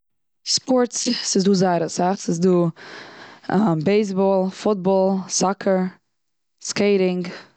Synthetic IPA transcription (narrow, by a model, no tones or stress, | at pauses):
spɔɹtssɪzduːzaɪɾəsaχsɪsduː | beɪs̬bɔlˠfʊt̚bɔlˠsakʰəɹ | skeɪɾɪŋɡ